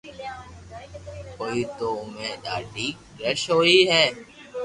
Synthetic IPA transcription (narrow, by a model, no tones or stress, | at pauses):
koːiːt̪oːʊmẽːɗaːɖiː | ɡɾɛʃɦoːiːɦɛː